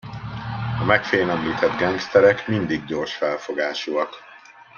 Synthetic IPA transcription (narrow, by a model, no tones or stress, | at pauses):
ɒmɛkfeːnɛmliːt̪ʰɛd̪ɡɛŋɡst̪ɛɾɛkmind̪iɡɟo̞rʃfɛlfo̞ɡaːʃuɒk